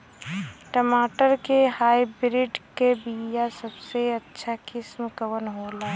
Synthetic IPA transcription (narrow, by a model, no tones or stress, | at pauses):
ʈəmaːʈəɾkehaːibɾɪɖkebijasəbseɐtːʃʰakɪsmkəʋənɦoːlaː